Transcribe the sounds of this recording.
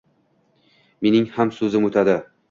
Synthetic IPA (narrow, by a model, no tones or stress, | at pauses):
me̞nɪŋhamsɵzɪmot̪ʰad̪ɪ